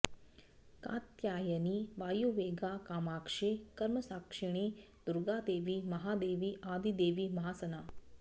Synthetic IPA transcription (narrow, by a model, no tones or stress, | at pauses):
ka̰ːt̪jaːjəniʋaːjuːʋeːɡaːkaːmaːkʂekɐɾməsaːkʂiɳ̃eː | d̪̥uɾɡaːd̪eːʋimɐɦaːd̪eːʋiʔaːd̪ʱid̪eːʋimɐɦaːsɐnaː